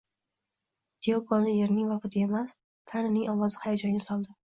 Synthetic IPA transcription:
d̪eokɒnɪjeɾnɪŋvɒfɪt̪ʰɪemas | t̪ʰaɾɪnɪŋɒwɒzɪhajad͡ʒɒŋɡʲasɒlˠd̪ɪ

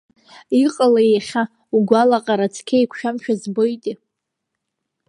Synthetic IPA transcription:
iqʼalajeχʲa | uɡʷalaqʼaɾat͡sʰkʲʰejkʷʰʃᶣamʃᶣazbojtʼi

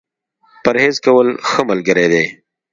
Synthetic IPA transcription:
pəɾheːzkɐwəlxəməlɡəɾed̪e

